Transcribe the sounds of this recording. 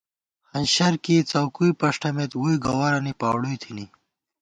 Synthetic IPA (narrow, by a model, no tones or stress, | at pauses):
hɐnɕɐɾkit͡sɐwkuipɐʂʈɐmet̪wuiɡɐwaɾɐnipaːwɽujt̪ʰini